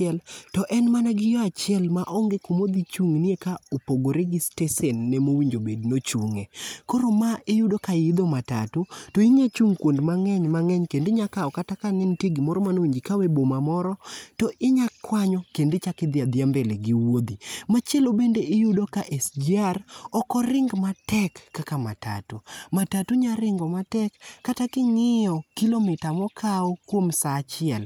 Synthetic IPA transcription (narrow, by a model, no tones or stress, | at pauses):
ɛltɔʔɛnmanaɡɪjɔat͡ʃɪɛlmaʔɔŋɡekomod̪it͡ʃuŋnekaopoɡoɾeɡistesɛnːɛmowiɲd͡ʒobednot͡ʃuŋekoɾomaɪjʊdokaɪd̪omata̰totoɪɲat͡ʃuŋkwondmaŋɛɲmaŋɛɲkendeɲakaɔkatakaŋɛntjeɡɪmɔɾɔmanowiɲd͡ʒikawebomamɔɾɔtɔʔɪɲakːwaɲɔkendet͡ʃakɪd̪ɪad̪ɪambeleɡiwod̪imat͡ʃɛlobendeʔɪjudokaʔɛsd͡ʒiarɔkɔɾɪŋɡmatɛkːakama̰ta̰tumatatuɲaɾɪŋɡɔmatɛkːatakɪŋɪjɔkilomɪtamɔkʰaɔkwomsaːt͡ʃɪɛl